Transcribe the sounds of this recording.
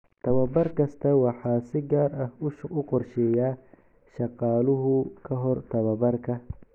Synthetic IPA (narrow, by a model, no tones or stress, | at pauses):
t̪ʰɐβɐbɐrkʰɐst̪ʰɐwɑħɑːsɪɡaːɾɐhʊʃʊqɔrʃɛjaː | ʃɑqɑːlʊɦʊkʰɐɦɔrt̪ʰɐβɐbɐrkʰɐ